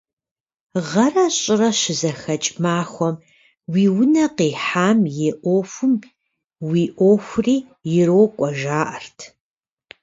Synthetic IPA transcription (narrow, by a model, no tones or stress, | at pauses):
ʁɐrɐɕʼɪrɐʃɪzɐxɐt͡ʃʼmaːxʷɔm | wiːwʊnɐqeːħaːmjeʔʷoːfʷʊm | wiːʔʷoːxʷʊriː | jɪɾoːkʷʼɔʒaːʔɐrtʰ